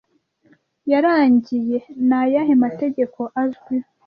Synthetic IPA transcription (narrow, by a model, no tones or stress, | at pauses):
jaɾaːɲɟije̞najaɦemate̞ɟe̞kʰo̞ʔazɡwi